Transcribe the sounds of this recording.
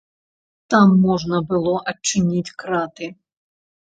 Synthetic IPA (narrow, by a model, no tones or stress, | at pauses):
t̪amːɔʐnɐbɨlˠɔʔɐt͡ʂːɨnʲit͡sʲkɾat̪ɨ